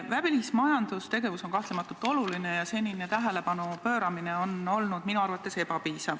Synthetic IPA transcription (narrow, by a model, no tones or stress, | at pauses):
væpilismɑjɑnd̪̥ust̪e̞ɡe̞vuso̞ŋkɑht̪lemɑt̪ːˑult̪ːˑo̞lulinejɑse̞nʲinet̪æɦele̞pɑnupøːɾɑmineo̞no̞lnud̪̥minuɑrvɑt̪ːˑe̞se̞pɑpiːsɑv